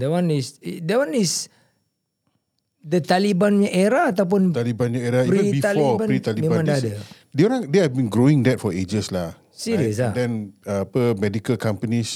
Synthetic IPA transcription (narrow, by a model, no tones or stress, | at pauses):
dəwãnisdəwanis | dət̪alibanɲaʔeɾaat̪awp̬ʊnt̪alibãnɲaɛɾaipɾibit̪alɔbait̪alimẽbããŋdaadə | deoɾãŋdeɛvbĩnɡɾoɪ̃ŋdɛt̚fɔed͡ʒəslah | siɾəsladɛ̃napəmɛdikəlkãmpənis